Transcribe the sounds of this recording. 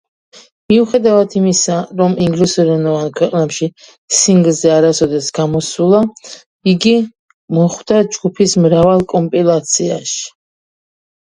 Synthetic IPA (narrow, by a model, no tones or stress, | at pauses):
miuχɛd̪avad̪ʰimisaɾɔmiŋɡlusɔɾɛnɔvankʰwɛqʼnɛpʃi | siŋɡlˠzɛaɾasɔd̪ɛsɡamɔsulˠa | iɡi | mɔχwd̪ad͡ʒɡupʰismɾavalˠkʼɔmpʼilˠat̪sʰia̰ʃi̥